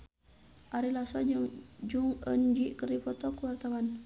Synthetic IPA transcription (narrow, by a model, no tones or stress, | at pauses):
ʔaɾilasɔd͡ʒuŋə̰nd͡ʒiʔkəripɔt̪ɔkuwart̪awan